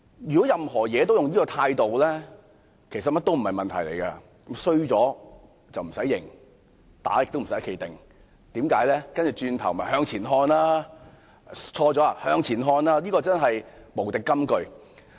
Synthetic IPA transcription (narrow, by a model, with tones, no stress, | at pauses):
jyː˨˩kɔ˨˥jɐ˨mhɔː˨˩jɛː˨˧t̪o˥wjʊ˨ŋjiː˥kɔː˧t̪ʰaː˧jt̪o˨wlɛː˥ | kʰe˨˩js̬ɐ˨t̚mɐ˥t̪ːo˥wm̩˨˩ɐ˨jmɐ˨nt̪ʰɐ˨˩jlḛ˨˩jkɐ˧ | ksɵ˥ɥt͡sɔː˨˥ | t͡sɐ˨wm̩˨˩sɐ˨˥jːɪ̰˨˩ŋ | t̪a̰ː˨˥jɪ˨k̚t̪o˥wm̩˨˩sɐ˨˦˥jkʰe˨˧jt̪ɪ˨ŋ | t̪iː˨˥mkaː˨˥jlɛː˥kɐ˥nt͡ʃy˨˩t͡ʃyː˧nt̪ʰɐ˨˩wm˨mɐ˨˩jɦœː˧ŋt͡sʰiː˨˩nɦɔː˧nlaː˥ | t͡ʃʰɔː˧t͡sɔː˨˥a˨hœː˧ŋt͡sʰiː˨˩nɦɔː˧nlaː˥liː˥kɔː˧t͡sɐ˥nɦɐ˨jmo˨˩wt̪ɪ˨kːɐ˥mkɵ˧ɥ